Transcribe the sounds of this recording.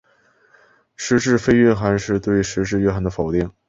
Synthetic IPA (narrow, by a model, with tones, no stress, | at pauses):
ʂɻ̩˧˥ʈ͡ʂɻ̩˥˧fe˥ɪɥɛ˥˧xa˧˥nʂɻ̩˥˧t̪we˥˩ɪʂɻ̩˧˥ʈ͡ʂɻ̩˥˧ɥɛ˥˧xa˧˥nd̪ə˧fo˨˩ʊt̪i˥˩ŋ